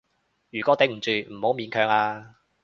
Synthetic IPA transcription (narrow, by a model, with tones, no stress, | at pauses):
jyː˨˩kʷɔː˨˥t̪e˨˧˥m̩˨˩t͡ʃyː˨˧m̩˨˩ho˨˥wmiː˨˥nkʰœː˨˧ŋaː˧